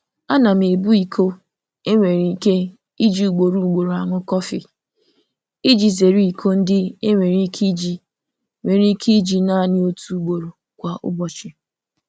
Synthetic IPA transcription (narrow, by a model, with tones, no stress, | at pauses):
a˦na˨m˨e˨bu˦i˨kʰo˦ | e˦ŋʷe˨ɾi˨˦˨ke˦ | i˦d͡ʒi˨u˨ɡ͡bo˨ɾu˦˨ɡ͡bo˨ɾo˨a˨ŋʷʊ˦kɔ˦fi˨ | i˦d͡ʒi˨ze˨ɾi˦i˨kʰo˦n̩˦dɪ˦e˦ŋʷe˨ɾi˦kʰi˦d͡ʒi˨ | ŋʷe˨ɾi˦kʰe˦i˦d͡ʒi˨na˦˨nɪ˦o˦tu˦u˨ɡ͡bo˨ɾo˨ | kʷa˨ʔʊ̰˦bɔ˨t͡ʃɪ˨